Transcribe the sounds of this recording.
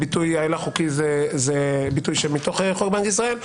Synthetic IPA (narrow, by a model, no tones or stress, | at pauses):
bit̪ujalaχukizezebit̪ujʃemit̪oχeχokbankisʁael